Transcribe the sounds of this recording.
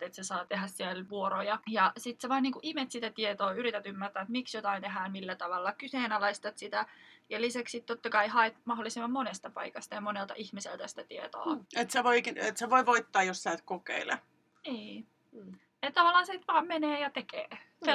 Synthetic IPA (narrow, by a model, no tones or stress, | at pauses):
t̪et̪sesɑːt̪eɦæssielʋuoɾojɑjɑsit̪seʋɑiniːŋkuʔimet̪sit̪æt̪iet̪oːyɾit̪æt̪ymːært̪æːet̪miksjot̪ɑint̪eɦæːnmilːæt̪ɑʋɑlːɑkyseːnɑlɑist̪ɑt̪sit̪æjɑlisæksit̪t̪ot̪ːɑkɑihɑet̪mɑɦolːˑisemːɑmmonest̪ɑpɑ̰ikɑst̪ɑjɑmonelt̪ɑ̰ʔihmisḛlt̪æsi̥t̪æt̪iet̪o̰ːet̪seʋoikiet̪seʋoiʋoit̪ːɑːjossæːt̪kokḛilḛ | niː | et̪t̪ɑʋɑlːˑɑːnset̪ʋɑːmmeneːjɑt̪ekḛː | se